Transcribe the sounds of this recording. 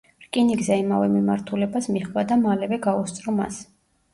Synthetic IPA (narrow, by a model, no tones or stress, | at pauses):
ɾkʼiniɡzɛimavɛmimaɾt̪ʰulɛbasmiχvad̪amalɛvɛɡaust̪sʼɾɔma̰s